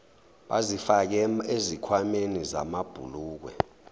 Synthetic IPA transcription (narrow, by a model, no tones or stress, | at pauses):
ɓazifak̬ɛezikʰwameniza̰mab̥ʱṵluːk̬wɛ̰